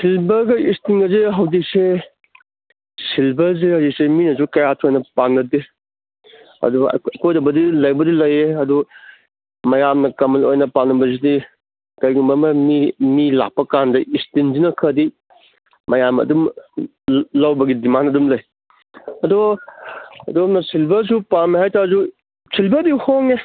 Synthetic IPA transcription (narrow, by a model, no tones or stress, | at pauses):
silbɐɡɐistiŋɐziɦɐwzik̚se | silbɐɾzihɐwzik̚seminɐzukɐjatʰojnɐpanːɐdi | ɐ̰dṵkojdɐbɐdilɐjbɐdilɐjeɐdu | mɐjamnɐkɐmɐlojnɐpanɐbɐzidi | kɐjɡumbɐmɐmimila̰k̚pːɐkandɐʔistinzinɐkʰɐdi | mɐjamɐ̰dum | lɐwbɐɡidimanɐdumlɐj | ɐdo | ɐdonɐsʰilbɐs̬upamiɦajtazu | sʰilbɐdihoŋe